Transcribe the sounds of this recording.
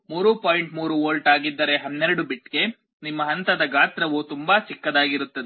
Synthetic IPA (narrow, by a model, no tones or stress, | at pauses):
muːɾupoːjiɳʈmuːɾuoːlʈaːɡid̪ːɐɾe̞ɦɐnːeɾɐɽubiʈːɡe̞ | nimːɐɦɐnt̪ɐd̪ɐɡaːt̪ɾɐʋut̪umbat͡ʃikːɐd̪aːɡiɾut̪ːɐd̪e